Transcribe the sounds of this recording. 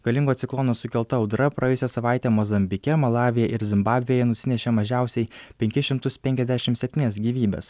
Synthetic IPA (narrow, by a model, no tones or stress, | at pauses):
ɡ̥ɐlʲɪŋɡoːt̪sʲɪklˠɔnoːsʊkʲɛlˠt̪ɐʊd̪ɾɐpɾɐjɛjʊsʲɛsɐʋɑˑɪt̪ʲeːmɔzɐmʲbʲɪkʲɛmɐlˠɑːʋʲɪjɛʔɪɾzʲɪmbɑːbʲʋʲɪjojɛnʊsʲɪnʲɛʃʲemɐʒʲæˑʊsʲɛɪpʲɛŋʲkʲɪʃʲɪmt̪ʊspʲɛŋʲkʲɛzʲd̪ʲæʃʲɪmtsʲɛpʲt̪ʲiːnʲɛːsɡʲiːʋʲiːbʲḛːs